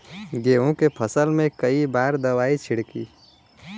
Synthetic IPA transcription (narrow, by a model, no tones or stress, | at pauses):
ɡeːõkepʰəsəlmẽkəibaːɾd̪ɐʋaːit͡ʃʰɪɽkiː